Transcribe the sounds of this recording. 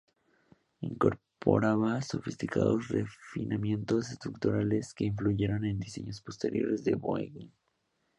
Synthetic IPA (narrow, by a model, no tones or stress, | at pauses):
iŋko̞ɾ | po̞ɾaβaso̞fist̪ika̰ðo̞̰srefinamje̞nt̪o̞sest̪ɾukt̪oɾale̞ske̞iɱfluʝe̞ɾo̞ne̞nd̪ise̞̰ɲo̞spo̞st̪e̞ɾjo̞̰ɾe̞zðe̞βoeɣin